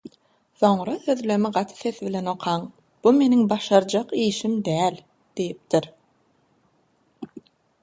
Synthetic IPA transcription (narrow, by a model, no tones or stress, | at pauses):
θo̞ɴɾɑθø̞ðlø̞miɢɑt̪ʰɯ̥θe̞θβile̞no̞qʰɑɴ | b̥ume̞niŋbɑʃɑɾd͡ʒɑqiːʃimd̪æːlʲ | d̪̥ijip̚t̪iɾ